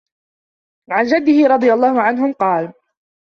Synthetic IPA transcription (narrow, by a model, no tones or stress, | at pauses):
ʕand͡ʒad̪ːɪhɪɾˤɑd̪ˤɨjalˤːɑːhʊʕanɦʊmqɑːl